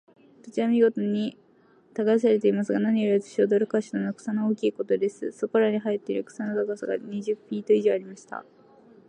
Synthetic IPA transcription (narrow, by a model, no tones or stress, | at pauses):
t̪ot͡ɕiβamʲiɡo̞t̪o̞ɲ̟i | t̪aɡais̬aɾe̞t̪e̞imasɨɡanaɲ̟ioɾatɨ̥ɕiod̪oɾɯ̟kaɕi̥t̪onokɯ̟̥sanooːkʲiːko̞t̪o̞d̪e̞sɨso̞koɾaɲ̟iɦait̪ːe̞iɾɯkɯ̟̥sanot̪aɡasaɡa̰ɲ̟iʑɨpʲːiːt̪o̞iʑo̞ːaɾʲimaɕi̥t̪a̰